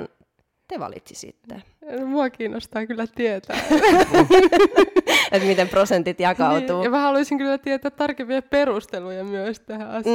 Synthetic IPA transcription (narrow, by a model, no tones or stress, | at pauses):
n | t̪eʋɑ̰lḭt̪ʲsi̥sḭt̪ːḛ | nmuɑkiːnost̪ɑːkylːæt̪iet̪æ̰ː | et̪mit̪emprosent̪it̪jɑkɑut̪uːmæhɑluisiŋkylːæt̪iet̪ːˑæːt̪t̪ːɑrkempiɑperust̪elujɑmyøst̪æhæɑs